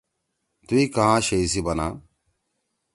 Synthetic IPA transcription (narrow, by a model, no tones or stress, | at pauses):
t̪uikɐɦãːɕejsibɐna̰ː